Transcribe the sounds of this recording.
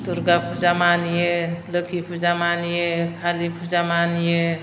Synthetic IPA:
t̪uɾɡapʰud͡ʒamanjeləkʰipʰud͡ʒamanjekʰalipʰud͡ʒamanje

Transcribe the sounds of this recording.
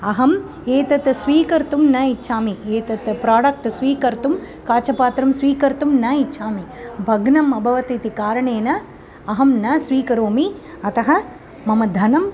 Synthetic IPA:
ɐɦɐm | eːt̪ɐt̪sʋiːkɐɾt̪umnɐitːʃʰaːmieːt̪ɐt̪pɾaːɽɐk̚ʈsʋiːkɐɾt̪um | kaːt͡ʃɐpaːt̪ɾɐmsʋiːkɐɾt̪umnɐitːt͡ʃʃʰaːmibʱɐɡnɐmɐbʱɐʋɐt̪it̪ikaːɾɐɳeːnɐ | ɐɦɐmnɐsʋiːkɐɾoːmi | ɐt̪ɐɦɐ | mɐmɐd̪ʱɐnɐm

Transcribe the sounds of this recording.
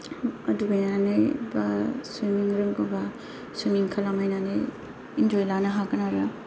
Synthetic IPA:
ɐdubajnanɯjbasiniŋɾɯŋkɔba | suniŋkʰalamajnanɯj | ind͡ʒɔjlanaɦaɡɯnaɾa

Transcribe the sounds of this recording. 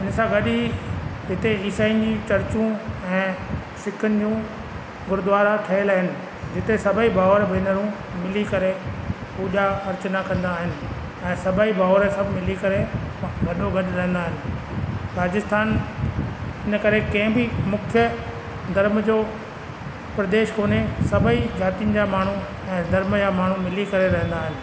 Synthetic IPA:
ɪnsãɡɐɗiɦɪt̪eiːsaːin̆d͡ʑiːt͡ɕɐɾt͡ɕũɛ̃ː | sɪkʰənɪ̆d͡ʑũː | ɡʊɾd̪ʋaːɾaʈʰɐɪlaːɦɪnɪ̆ | d͡ʑɪt̪esɐbʱəibʱaːʋɾbɪnəɾũ | mɪlikɐɾepuːʄaxɐɾt͡ɕnakɐ̃nd̪aːɦɪnɪ̆ | ɛ̃ːsɐbaibʱaːʋɾsɐbʱmɪlikɐɾeɡʱɐɗoɡɐɗɾɐ̃ɦə̃nd̪aːɦɪnɪ̆ | ɾaːd͡ʑɪst̪ʰaːn | ɪnəkɐɾekɐ̃ɦɪ̃bɪmʊkʰjə | d̪ʱɐɾmd͡ʑoː | pɾɐd̪eːʃkoːnesɐbʱəid͡ʑaːt̪ijənɪ̆d͡ʑamaːɳ̤u | ɛ̃ːd̪ʱɐɾmd͡ʑaːmaːɳ̤ũmɪlikɐɾeɾɐ̃ɦə̃nd̪aːɦɪnɪ̆

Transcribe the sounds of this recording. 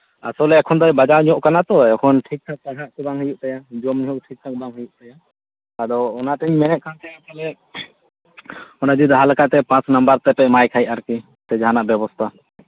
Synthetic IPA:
a̰sɔlɛɛkʰɔnd̪ɔjbad͡ʒaɾɲɔʔkanat̪ɔɛkʰɔnʈʰik̚t̪ʰak̚t̪aɦaʔk̪ɔbaŋɦɔjuʔt̪ɛjad͡ʒɔmɲɦɔʔ̚ʈʰik̚t̪ʰak̚baŋɦujuʔt̪ɛjaː | d̪ɔɔnaʈɛɲmɛnɛʔ̪̚kʰant̪ɛjasɔlɛ | ɔnad͡ʒ̪ud̪ɦalkaʔt̪ɛpãt͡ʃnəmbəɾt̪ɛpɛmajkʰajʔaɾki | t̪ɛd͡ʒaɦanaʔbɛbɔst̪ʰa

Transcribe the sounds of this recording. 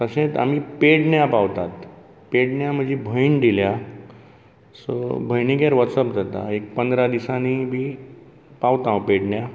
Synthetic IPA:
t̪əɕẽt̪a̰m̤ipeʈɳjapaʋt̪at̪ | peʈɳjam̤əd͡ʑʱibʱəind̪ilja | sɔ̰bʱəjniɡeɾʋət̪səpd͡zʱat̪a̰ek̚pənd̪ɾad̪isanibʱi | paʋt̪ãʋ̃peʈɳja

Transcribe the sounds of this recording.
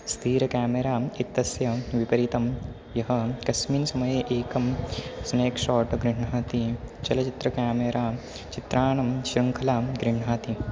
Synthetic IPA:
st̪ʰiːɾɐkaːmeɾaːit̪ːɐsjɐʋipɐɾit̪ɐm | jɐɦɐkɐsmiːnsɐmɐjeʔeːkɐmsneːkʃɔːʈɡɾiɳaːt̪it͡ʃɐlɐt͡ʃit̪ɾɐkaːmeɾaː | t͡ʃit̪ɾaːɳɐmʃɾɐŋkʰɐlaːɡɾiɳɦaːt̪i

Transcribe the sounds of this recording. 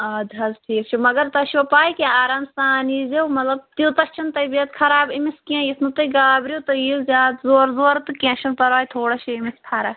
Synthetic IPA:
ɐd̪ʱɐzʈʰiːkt͡ʃʰimɐɡɐɾt̪ɐʃopaːikeaːɾaːmst̪aːnizewmɐt̪lɐb̚t̪ilt̪ɐst͡ʃʰɐnt̪ɐbiɐt̪kʰɐɾaːbimiskiɐ̃jisʰnut̪ɐɡaːbɾiut̪ɐjizʲaːd̪zoːɾzoːɾt̪ɨkẽʃʰɐnpɐɾʋaːjt̪ʰoːɽɐʃiimisp̪ʰaːɾa

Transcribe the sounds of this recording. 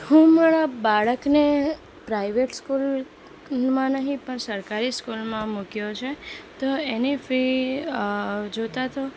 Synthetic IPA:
hũmaɾabaɭəkne | pɾaiʋeʈskul | mãnəɦĩpəɳsəɾkaɾiskulmãmukjot͡ʃʰet̪oenifɾi | d͡ʒot̪at̪o

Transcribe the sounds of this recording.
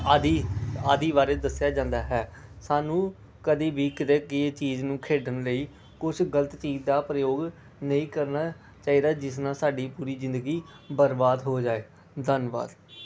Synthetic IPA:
ad̪iːaːd̪iːbaːɾeːd̪əsːjaːd͡ʒãːnd̪aːɦɛːsaːnũː | kəd̪iːbʱiːkəd̪eːkɪt͡ʃiːznũːkʰeːɖənləiː | kʊt͡ʃʰɡələt̪t͡ʃiːd͡ʒd̪aːpɾəjoːɡ | nəĩːkəɾnaː | t͡ʃaːiːd̪aːd͡ʒɪsnãːsaːɖiːpuːɾiːzɪ̃nd̪əɡiː | bəɾbaːd̪ɦoːd͡ʒaːeː | d̪ənba̰ːd̪

